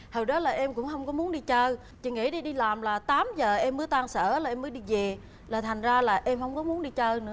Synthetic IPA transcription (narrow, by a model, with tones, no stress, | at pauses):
həː˨˩ɗɔ˨˦laː˨˩ʔɛ˧mkʊ̰˧˥ŋ͡mɦə˧wŋ͡mkɔ˨˦mu˨˦ənɗi˧t͡ɕəː˧ | t͡ɕḭ˨˧˩ŋḭ˧˥ɗi˧ɗi˧laː˨˩mlaː˨˩t̪aː˨˦mzəː˨˩ʔɛ˧mːə˨˦ət̪aː˧ŋsəː˧˩laː˨˩ʔɛ˧məː˨˦ɗi˧ve˨˩ | laː˨˩t̪ʰa˨˩ŋ̟zaː˧laː˨˩ʔɛ˧mhə˧wŋ͡mkɔ˨˦mu˨˦ənɗi˧t͡ɕəː˧nɨ̰˧˥ə